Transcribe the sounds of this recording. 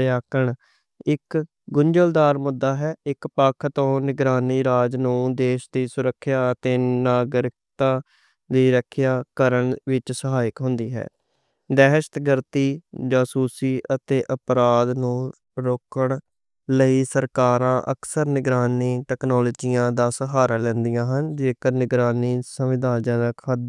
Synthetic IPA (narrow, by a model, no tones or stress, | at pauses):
jaːkəɳ | ɪk | ɡʊɲd͡ʒəld̪aːɾmʊd̪ːaːɦɛːɪkpaːkʰət̪õːnɪɡɾaːniːɾaːd͡ʒnũːd̪eːʃd̪iːsʊɾəkʰːjaːət̪eːnaːɡɾɪk̚t̪ãː | d̪iːɾəkʰːjaːkəɾəɳʋɪt͡ʃsəɦaːɪkɦʊ̃nd̪iːɦɛ̰ː | d̪ɛːʃt̪ɡəɾt̪iːd͡ʒaːsuːsiːʔət̪eːʔəpɾaːd̪nũː | ɾoːkəɳ | ləiːsəɾkaːɾãːʔəksəɾnɪɡɾaːniːʈɛːknɔːloːd͡ʒijãːd̪aːsəɦaːɾaːlɛ̃ːnd̪ijãːɦənd͡ʒeːkəɾnɪɡɾaːniːsəʋɪd̪ãːd͡ʒə̃nəkʰəd̪